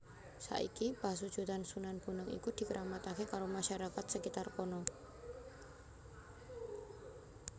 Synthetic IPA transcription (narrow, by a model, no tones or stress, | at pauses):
sa̰ʔḭkipasud̥ʒ̥ut̪ansunanpunəŋḭkud̪̥i̤kəɾʔamat̪akekaɾomaʃaɾakat̪səkit̪arkɔnɔ